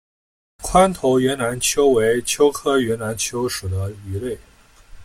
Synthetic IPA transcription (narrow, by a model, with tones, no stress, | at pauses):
kʰwa˥nt̪ʰo˧˥ʊɥɛ˧˥nna˧˥nt͡ɕʰjo˥ʊwe˧˥ɪt͡ɕʰjo˥ʊkʰɤ˥ɥɛ˧˥na˧˥nt͡ɕʰjo˥ʊʂu˨˩d̪ə˦y˧˥le˥˩ɪ